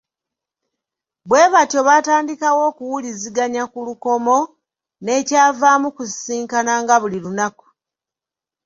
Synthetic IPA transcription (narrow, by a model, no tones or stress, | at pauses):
bwe̞ːβatjo̞βaːtaːndikawo̞ːkuwuliziɡaɲakuluko̞mo̞ | ne̞ːcaːvaːmukussiːŋkanaŋɡaβulilunaku̥